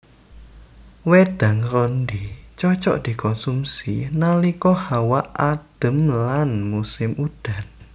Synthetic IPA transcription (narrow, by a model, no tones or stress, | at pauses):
wed̪̥ä̤ŋɾɔnɖ̪it͡ʃɔt͡ʃɔ̰ʔd̪̥i̤kʰɔnsumsinalikɔhawaʔad̪̥ə̤mlanmusɪmud̪̥a̤n